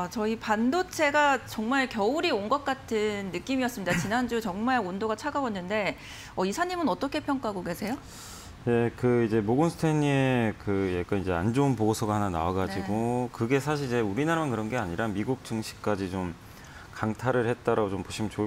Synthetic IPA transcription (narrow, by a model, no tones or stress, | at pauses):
at͡ɕʌipandot͡ɕʰe̞ɡat͡ɕʌŋmaɭkjʌuɾioŋɡʌk̚k͈atʰɯnːɯk͈imiʌs͈ɯmɲidat͡ɕinɦand͡ʑut͡ɕʌŋmaɭondoɡat͡ɕʰaɡabwʌnːɯnde̞ | ʌisʰaɲimɯnʌt͈ʌkʰepʰjʌŋk͈aɦaɡoke̞sʰe̞jo | ne̞kɯid͡ʑe̞moɡɯnsʰɯ̥tʰeɲiekɯjak͈anid͡ʑe̞and͡ʑounpoɡosʰʌɡahanana̰waɡad͡ʑiɡokɯɡe̞sʰaɕʰiɾid͡ʑe̞uɾinaɾamankɯɾʌnɡe̞aɲiɾamiɡuk̚t͡ɕ͈ɯŋɕʰi̥k̚k͈ad͡ʑit͡ɕom | kaŋtʰaɾɯɭhet̚t͈aɾaɡot͡ɕompoɕʰimnt͡ɕo